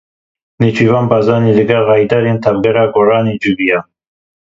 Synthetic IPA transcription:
net͡ʃʰivɑːnbɑːzɑːniːlɨɡɛlɣɑːjd̪ɑːɾeːnt̪ʰavɡɛɾɑːɡoɾɑːneːd͡ʒubijɑː

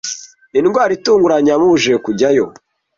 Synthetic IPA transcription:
inɡwaːɾituːŋɡuɾaɲamuβuʒekuɟajo

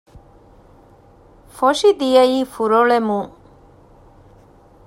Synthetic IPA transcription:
foʃid̪ijɐjiːfuɾoɭemũ

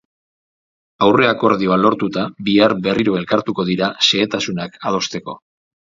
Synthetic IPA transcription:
awre̞ako̞ɾðio̞alo̞ɾt̪ut̪abiaɾbe̞riɾoe̞lkaɾt̪uko̞ðiɾase̞ːt̪asunakað̞o̞st̪e̞ko̞

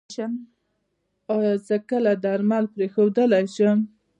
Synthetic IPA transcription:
ʃəm | ɑjɑzəkəlad̪əaɾmalpɾexowd̪əlajʃəm

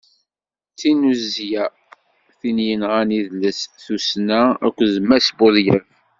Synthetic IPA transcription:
t͡sːinuzːjæ | θinjənʁaniðləsθusnææ̰kʷːzmæsbʊðjæv

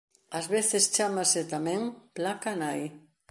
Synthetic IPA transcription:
azβeθɪst͡ʃamasɪt̪amɛ̃ŋplakanaj

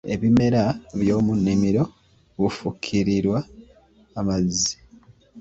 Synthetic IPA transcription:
e̞̰βime̞ɾaβjo̞ːmunːimiɾo̞ | βufukʰːiɾiɾwaː | mazːi̥

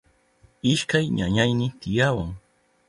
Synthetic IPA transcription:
ɪʃkajɲaɲajnɪt̪ɪjawaŋ

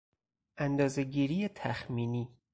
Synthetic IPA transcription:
ʔænd̪ɒːzeɟiːɾiːjet̪ʰæxmiːniː

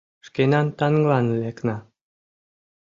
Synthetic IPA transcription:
ʃkenɑnt̪ɑnɡlɑnleknɑ

